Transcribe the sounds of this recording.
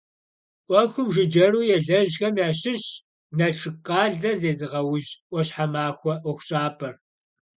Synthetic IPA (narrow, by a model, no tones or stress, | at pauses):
ʔʷɔxʷʊmʒɨd͡ʒɐruːjɛɮɐʑxɐmjaːɕɪɕ | nɐʈ͡ʂʰɨqʼɑːɮɐzeːzɨʁɐwʊʒʔʷɔɕħamaːxʷɔʔʊxʷɕʼaːpʰɐr